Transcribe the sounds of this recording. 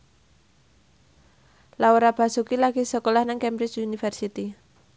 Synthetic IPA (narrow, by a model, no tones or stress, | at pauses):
lauɾab̥a̤sukilaɡ̥isɔkolahnaŋkɛmbɾɪt͡ʃunifɛrsit̪i